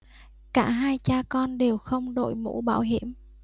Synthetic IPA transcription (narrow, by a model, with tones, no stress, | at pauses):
kaː˧˩ɦaː˧jt͡ɕaː˧kɔ˧nɗe˨˩wxə˧wŋ͡mɗo̰˧˨jmṵ˧˥ɓaː˧˩wɦi˧˩˨əm